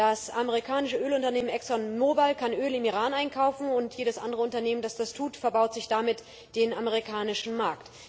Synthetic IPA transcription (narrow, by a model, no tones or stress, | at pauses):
d̥asʔaməʁ̞ikʰaːnɪʃəʔøːlʊntɐneːmənɛksɔnmoːbalkʰanʔøːlɪmiːʁ̞aːnaɪnkʰaʊfn̩ʊntjeːɾəsʔa̰ndəʁəʊntɐneːməndasd̥astʰuːtfɛɐbaʊtz̥ɪçd̥amɪt | d̥eːnaməʁikʰaːnɪʃn̩maɐkt